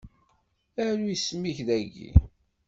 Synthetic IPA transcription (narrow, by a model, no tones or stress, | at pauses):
æɾujsmiçðæɡḭ